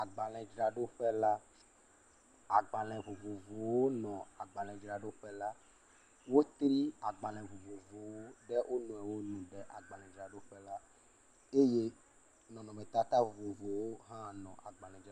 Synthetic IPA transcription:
a˨ɡ͡ba˨lɛ̃˨d͡ʒɾa˨ɖo˦ɸɛ˦la˦ | a˨ɡ͡ba˨lɛ̃˨vo˨vo˨vo˨wo˦nɔ̃˨a˨ɡ͡ba˨l̃ɛ̃˨d͡ʒɾa˨ɖo˦ɸɛ˦la˦ | wo˦t̪ɾi˦a˨ɡ͡ba˨l̃ɛ̃˨vo˨vo˨vo˨wo˦ɖɛ˦wʔo˦nũ˨ɛ˨wo˦nũ˨ɖɛ˦ʔa˨ɡ͡ba˨lɛ̃˨d͡ʒɾa˨ɖo˦ɸɛ˦la˦ | e˦je˦ | nɔ̃˨nɔ̃˨mɛ̃˨t̪a˦t̪a˦vo˨vo˨vo˨wo˦ɦã˦nɔ̃˨ʔa˨ɡ͡ba˨lɛ̃˨d͡ʒ

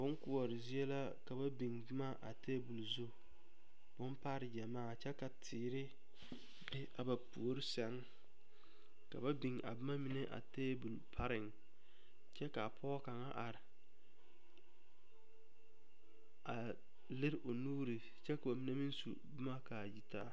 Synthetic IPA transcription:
bʊ˦nkʊ˦ɔ˨ɾɪ˨zi˦ɛ˦la˦ | ka˨ba˦bi˨ŋbʊ˦ma˦ʔa̰˨teː˦bu˨lzʊ˦ | b̥ʊ˦m˦pa˦ɾɪ˨d͡ʒɛ˨maː˦˨t͡ʃɛ˦ka˨tʰɪː˨ɾɪ˦ | bɪ˦ʔa˨ba˨pu˨o˦ɾɪ˦sɛ˦ŋ | ka̰˨ba˦bi˨ŋa̰˨bʊ˦ma˦mi˦nɛ˦ʔa̰˨teː˦bu˨lpʰa˦ɾɪ˨ŋ | t͡ʃɛ˦ka˨pʰɔ˦ka˨ŋa˦ʔa˨ɾɪ˨ | a˨ | lɪ˦ɾʔo˨nuː˦ɾi˨ | t͡ʃɛ˦ka˨ba˨mi˦nɛ˦mi˦nsṵ˨bʊ˦ma˦ka˨ji˦taː˦˨

